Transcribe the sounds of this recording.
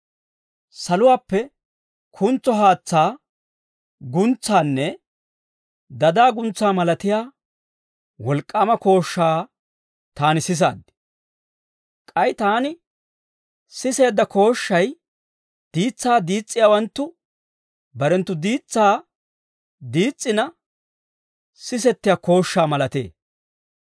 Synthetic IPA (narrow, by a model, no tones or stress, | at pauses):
sɐlʊwaːpːɛ | kʰʊnt͡sːɔɦaːt͡sːaː | ɡʊnt͡sːaːnːɛ | d̪ɐd̪aːɡʊnt͡sːaːmɐlɐt̪ɪjaː | wɔlkʼːaːmɐko̞ːʃːaː | t̪aːnɪsɪs̬a̰ːd̪ːɪ̥ | kʼɐjt̪aːnɪ | sɪse̞ːd̪ːɐkʰo̞ːʃːɐj | d̪̥iːt͡sːaːd̪iːt͡sʼːɪjaːwɐnt̪ːʊ | bɐɾɛnt̪ːʊd̪iːt͡sːaː | d̪iːt͡sʼːɪnɐ | sɪs̬ɛt̪ːɪjaːko̞ːʃːaːmɐlɐt̪ḛː